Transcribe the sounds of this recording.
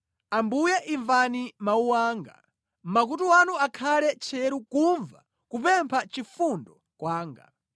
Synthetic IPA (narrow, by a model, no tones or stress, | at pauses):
ambujɛʔiɱvanimauwaːŋɡa̰ | m̩mak̬utuwanuakʰalɛt͡ʃʰɛɾukuɱva̰ | kupɛmpʰat͡ʃifundɔ | kwaːŋɡa̰